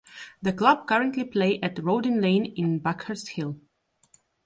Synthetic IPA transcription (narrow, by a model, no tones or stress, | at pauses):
ðəklʌb̚kʌɹə̃ntʰlipʰleɪʔɨtɹoʊdɨ̃nlẽɪ̃nɪ̃nbakhə˞shɪlˠ